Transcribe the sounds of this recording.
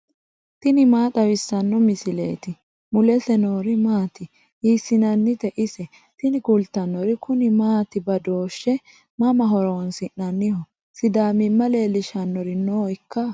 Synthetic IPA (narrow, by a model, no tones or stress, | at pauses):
t̪ɪnɪmaːt̪ʼɐwɪsːɐnːɔmɪsɪlḛːt̪ɪ | mʊlɛsɛnoːɾɪmaːt̪ɪ | hiːsːɪnɐnːɪt̪ɛʔɪsɛ | t̪ɪnɪɡʊlt̪ːɐnːɔɾɪkʰʊnɪmaːt̪ɪbɐd̪o̞ːʃːɛ | mɐmɐɦɔɾɔwɔnsɪʔːɐnːɪhɔ | sɪd̪aːmɪmːɐle̞ːlɪʃɐnːɔɾɪnoːɪkːɐ